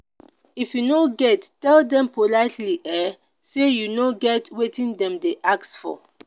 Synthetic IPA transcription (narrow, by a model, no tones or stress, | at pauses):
ifjunoɡɛttːɛldɛ̃mpolaɪtliʔɛ | sejunoɡɛtwetĩndɛ̃mdeʔak̚tsfɔ̰